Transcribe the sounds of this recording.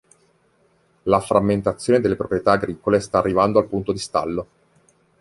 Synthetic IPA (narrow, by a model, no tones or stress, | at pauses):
lafɾʔamːent̪at̪sːjoːned̪elːepɾopɾjet̪aːɡɾiːkolest̪aːrːivand̪oalpunt̪od̪ist̪a̰lːo